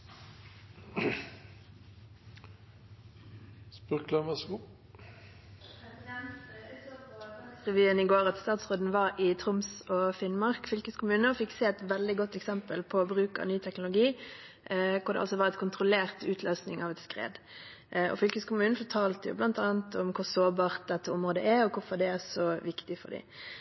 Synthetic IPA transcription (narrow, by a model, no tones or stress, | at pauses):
spʉklɑnʋɑsɡu | ʁɛʋyːənɪɡoːʁɑt̪st̪ɑːt̪sʁoːd̪n̩ʋɑʁɪt̪ʰʁʊmsɔfɪnmɑʁkfʏlkəskʊmʉːnəɔfɪkːseːɛt̪ʋɛld̪ɪɡɔt̪ːɛksɛmpəlpʰɔɔbʁʉːkɑ̰nyːt̪ʰɛknʊlʊɡiː | kʰʊd̪ɛ̰ɑlsɔʋɑːʁɛt̪kʰʊnt̪ʁʊleːʁt̪ʉːt̪ʰløːsnɪŋɑʋɛt̪skʁḛːd̪ | ɔ̰fʏlkəskʰʊmʉːnn̩fɔʁʈʰɑːlt̪əjʊ̰blɑnt̪ɑːnət̪ʰɔmkʰʊʁsoːbɑːʁt̪̚d̪ɛt̪ːəʊmʁoːd̪ə̰ʔæɾɔkʰʊɾfɔʁd̪ɛæsɔʋɪkt̪ɪfɔ̰d̪ɪ̰